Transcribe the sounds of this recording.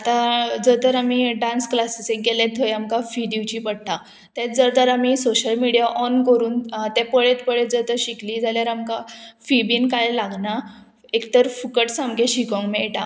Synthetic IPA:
at̪ãd͡zət̪əɾamiɖãnsklasiseɡɛlẽt̪ʰːojamkafid̪iʋt͡ɕipəɽt̪a | t̪ɛt̪d͡zəɾt̪əɾamisoɕəlmiɽijaʔɔnkəɾuːnt̪epəɭet̪pəɭet̪̚d͡zət̪əɾɕikliːd͡zaljaɾamkafibiːnkajlaɡna | ekt̪əɾfukəʈsamɡeɕikɔ̃ŋkmeʈa

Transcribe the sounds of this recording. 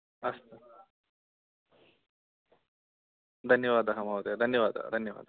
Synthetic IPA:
ɐst̪e | d̪ʱɐnjɐʋaːd̪ɐɦɐmɐwt̪ed̪ʱɐnjɐʋaːd̪ɐ̰d̪ʱɐnjɐʋa̰ːd̪ɐ

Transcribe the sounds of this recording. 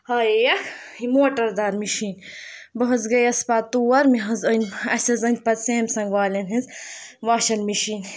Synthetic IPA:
hɐejɐkʰimoːʈɐɾd̪aːɾmiʃiːnbɐɦɐzɡɐjɐspat̪uːɐɾmiɦɐzɐnʲɐsɐzɐnʲpɐt̪seːmʲsɐŋɡʋaːlʲɐnɦizʋaːʃɐnmiʃiːn

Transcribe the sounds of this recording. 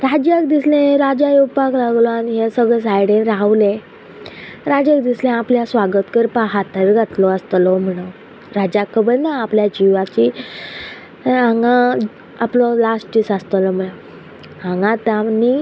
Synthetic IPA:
ɾad͡ʑakd̪islẽɾad͡ʑajupaklaɡlɔaniɦesəɡɭəs̬ajɽẽɾaʋlẽ | ɾad͡ʑak̚d̪islẽapljasʋaɡət̪kəɾpaɦat̪əɾɡʱat̪lɔast̪lɔm̤əɽ̃ə | ɾad͡ʑakʰːəbəɾnaːpljad͡ʑiʋat͡ɕi | ãŋɡã | aplɔlasʈʈisast̪əlɔm̤əɽə | ɦãŋɡãt̪ani

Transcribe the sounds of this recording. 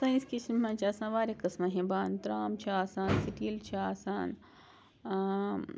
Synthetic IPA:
sãiskit͡ʃʰimmãːt͡ʃʰaːsãːnʋaːɾekɐsmɐɦẽbaːnt̪ɾaːmt͡ʃʰiaːsaːnsiʈiːlt͡ʃʰiaːsaːn

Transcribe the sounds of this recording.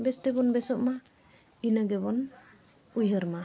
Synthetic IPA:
bɛst̪ɛbɔnbɛsɔʔma | inaɡɛbɔn | ujɦəɾma

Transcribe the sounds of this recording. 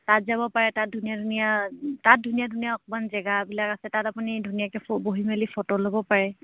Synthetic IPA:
tatzabɔpaɹɛtat̚dʱunijadʱunijatat̚dʱunijadʱunijaɔkɔmanzɛɡabilakasɛtatapunidʱunijakɛboɦimelifʰɔtolobɔpaɹɛ

